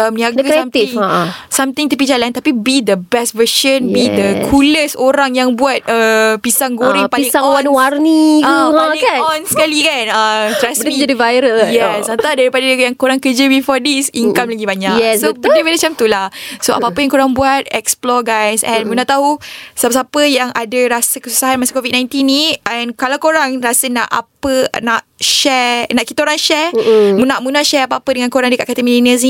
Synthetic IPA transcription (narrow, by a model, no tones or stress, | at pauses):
əmniaɡasamt̪iŋsamt̪ĩŋt̪əp̬id͡ʒalant̪apibid̪əbɛstvəʃənbid̪əkʰuləsoɾaŋjaŋbuat̪̚əpisaŋɡoɾipaliĩŋsawanwarniuãlikaɔnskalikanəst̪ɾɛsbmid͡ʒadivajɾəljɛsãnt̪adaɾipadanaɡjaŋkoɾaŋkəd͡ʒəbifɔdisiŋkamlaɡibaɲaɛsobənəwənat͡ʃamt̪ulahsoa̰paapəjaŋkoɾaŋbuat̪̚ɛksplɔɡajsɛ̃nmunaʔt̪aɦusabəsapəjaŋʔadaɾasəkəsu̥saɦanmasəkovid̚nãj̃nt̪inːĩʔɛnkalakoɾaŋrasənã̰ʔa̰pənaʔʃɛnãʔki̥t̪aoɾaŋʃɛmũnaʔmunaʔʃɛapaapədəŋãnkoɾaŋdəka̰ʔkat̪əmĩlinəs̬nĩ